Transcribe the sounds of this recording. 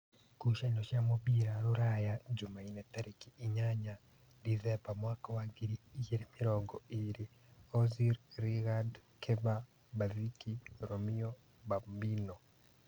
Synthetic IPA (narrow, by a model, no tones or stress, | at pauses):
kuʃainoʃjamoβiːɾaɾuɾajad͡ʒumainetaɾikiːɲaɲa | ɾizebamwaːkawaɡiɾiːjeɾimiɾoːŋɡɔiɾi | oziɾɾiɣadkʰeβa | βazikiɾomio | βambino